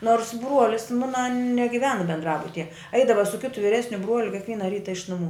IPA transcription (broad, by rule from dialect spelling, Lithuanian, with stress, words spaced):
noːrs ˈbruɔlʲɪs ˈmʊnɐ nʲɛɡʲɪˈʋʲæːnɐ bʲɛndˈrɑːbʊtʲɪjɛ ˈɐɪdɐʋɐ sʊ ˈkʲɪtʊ ʋʲɪˈrʲæːsʲnʲʊ ˈbruɔlʲʊ kʲɪkˈʋʲiɛnɐ ˈrʲiːtɐ ɪʃ nʊˈmuː